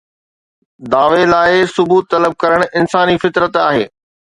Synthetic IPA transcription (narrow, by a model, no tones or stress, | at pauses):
d̪aːʋelaːɪsʊbuːt̪ːɐləb̚kɐɾəɽ̃ʊʔɪnsaːnifɪt̪ɾət̪aːɦeː